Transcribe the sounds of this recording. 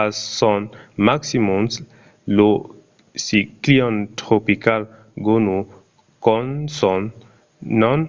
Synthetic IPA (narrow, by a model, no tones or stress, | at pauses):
asɔnmaksimuns | lo | sikliɔntɾopikal | ɡonu | kɔnsɔnː | ɔn